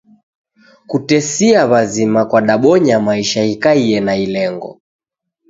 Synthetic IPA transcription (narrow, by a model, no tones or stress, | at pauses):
kutɛsiaβazimakwaɗaɓɔɲamaiʃaikaiɛnailɛŋɡɔ̰